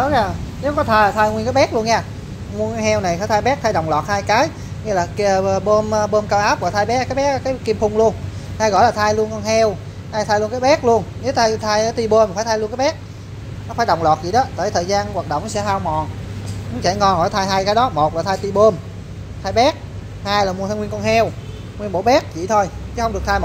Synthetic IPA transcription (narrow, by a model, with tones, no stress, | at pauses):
ɔ˨˦aː˨˧˩ne˨˦wkɔ˨˦t̪ʰaː˧˨t̪ʰaː˧jŋwi˧nkaː˨˦jɓɛ˦˥k̚lu˧ənɲaː˧˩ | ŋu˧nkaː˧˨˦jɦɛ˧wna˨˩jfʰaː˧˦t̪ʰaː˧jɓɛ˦˥k̚t̪ʰaː˧jɗə˨˩wŋ͡mlwɔː˨˩t̚haː˧jkaː˨˦j | ŋɛ˧laː˨˩kːɓo˧mː˧ɓo˧mkaː˧wʔaː˦˥p̚vaː˨˩t̪ʰaː˧jɓɛ˦˥kaː˨˦jɓɛ˦˥k̚kaː˨˦ki˧mfʊ˧wŋ͡mlu˧ən | h̪a˧jɣɔ̰˧˨jlaː˨˩t̪ʰaː˧jlu˧ənkɔ˧nɦɛ˧w | t̪ʰaː˧jt̪ʰaː˧jlu˧ənkaː˨˦jɓɛ˦˥k̚lu˧ənne˨˦wt̪ʰaː˧jt̪ʰaː˧jt̪i˧ɓo˧ma˨˩faː˧˩˦t̪ʰa˧lnkaː˦ɓɛ˦˥k̚ | nɔ˨˦˥faː˧˦jɗə˨˩wŋ͡mlwɔː˨˩t̚zi˨˩ɗɔ˨˦t̪əː˧˩jt̪ʰəː˨˩zaː˧nwaː˨˩ɗo̰˧˨ŋ͡mn˦sɛ̰˧˥ɦaː˧wmɔ˨˩nkʊ˨˦t͡ɕɛ˧˩˦ŋkɔ˧nɣɔ̰˧˩˦jt̪ʰaː˧jɦaː˧jkaː˨˦jɗɔ˨˦mo˨˩t̚laː˨˩t̪ʰaː˧jt̪i˧ɓo˧m | t̪ʰaː˧jɓɛ˦˥k̚ | haː˧jlaː˨˩mu˨˩t̪ʰa˧ŋwi˧ənkɔ˧nhɦɛ˧w | ŋwi˧ənɓo˧˦ɓɛ˦˥k̚t͡ɕʰḭ˧˨t̪ʰo˧jt͡ɕɨ˨˦xə˧wŋ͡mɗɨ˨˩ək̚t̪ʰaː˧jmo˨˩